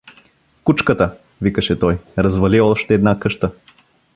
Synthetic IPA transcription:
kut͡ʃkət̪ə | vikəʃɛt̪ɔjɾɐzvɐliɔʃt̪ɛːd̪nakɤʃt̪ə

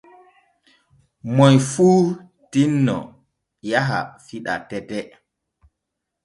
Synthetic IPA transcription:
mɔjfuː | tinːɔ̰ | jaɦa̰fiɗa̰tɛtɛ

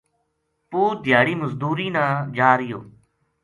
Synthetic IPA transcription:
puːɾd̪ʱɪjaːɽiːməzd̪uːɾiːnãːd͡ʒaːɾɪjo̰ː

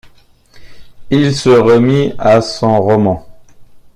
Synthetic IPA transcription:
ilsəʁəmiasɔ̃ʁɔmɑ̃

